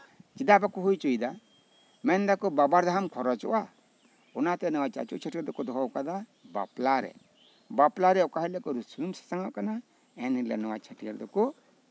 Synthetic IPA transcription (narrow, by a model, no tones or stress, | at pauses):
t͡ʃidabakɔɦujt͡ʃɔjd̪a | mɛnd̪akɔbabaɾd̪aɦamkʰɔɾɔt͡ʃɔ̰ʔa | ɔnat̪ɛnɛwat͡ʃa̰t͡ʃɔ̰ʔt͡ʃʰəʈijəɾd̪ɔkɔd̪ɔɦawkad̪aba̰plaɾɛ̰ | baplaɾɛɔkaɦɛlɛkɔɾusunumsḁsaŋaʔkana | ɛnilɛ̰nɔwat͡ʃʰəʈijaɾd̪ɔkɔ